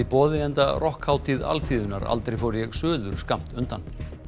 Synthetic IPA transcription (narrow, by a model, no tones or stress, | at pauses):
ipɔːðɪɛnt̪arʔɔhkhaːwt̪ʰiða̰lθiːðʏna̰ɾa̰lt̪ɾejfowɾjɛɣsœːðʏɾ̥skam̥t̪ʏnt̪an